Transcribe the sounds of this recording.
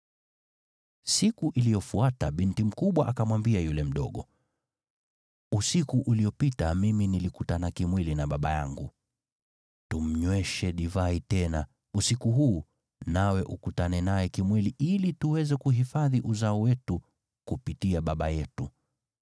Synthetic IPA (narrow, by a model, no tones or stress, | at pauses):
sikuʔilijɔfuataɓintim̩kuɓwaʔakamwambiajulɛm̩ɗɔɠɔ | usikuʔuliɔpitamiminilikutanakimwilinaɓaɓa̰ja̰ŋɡu | tum̩ɲwɛʃɛɗivaitɛna | usikuɦuː | nawɛʔukutanɛnajɛkimwiliʔilituwɛzɛkuɦifaðiʔuzaɔwɛtu | kupitiaɓaɓajɛtu